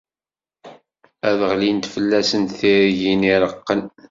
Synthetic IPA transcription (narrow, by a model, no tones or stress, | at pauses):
æðəʁlint̪fəlːæsənt̪θiɾʝiniɾˤəqːən